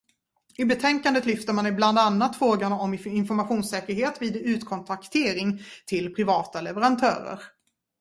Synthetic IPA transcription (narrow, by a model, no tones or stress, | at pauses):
ɪbɛt̪ʰɛŋkand̪ət̪lʏft̪əɾmanɪbland̪anːat̪fɾoːɡanaɔmɪnfɔɾmaɧuːnsɛːkəɾɦeːt̪viːd̪ʉ̟ːt̪kʰɔnt̪ʰakt̪ʰeːɾɪŋt̪ʰɪlpʰɾɪvɑːt̪alɛvəɾant̪ʰœ̰ːɾə̰ɾ